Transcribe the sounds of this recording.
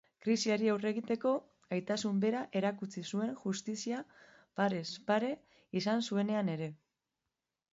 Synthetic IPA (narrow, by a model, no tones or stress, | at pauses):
kɾisiaɾiawre̞ɣ̞it̪e̞ko̞ | ajt̪asumbe̞ɾaʔe̞ɾakut͡sisue̞ŋʝust̪isia | paɾe̞spaɾe̞ | isansue̞ne̞ane̞ɾe̞